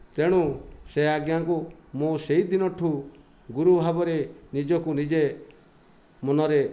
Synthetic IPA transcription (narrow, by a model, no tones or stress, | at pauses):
t̪eɽ̃useaɡjaŋkumoseɦid̪inɔʈʰu | ɡuɾubʱabɔɾenid͡ʒɔkunid͡ʒe | mɔnɔɾe